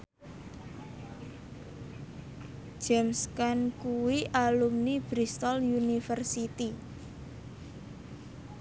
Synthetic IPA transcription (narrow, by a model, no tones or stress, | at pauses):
d͡ʒ̥ɛmskankuwiʔalumnib̥ɾist̪ɔljunifərsit̪i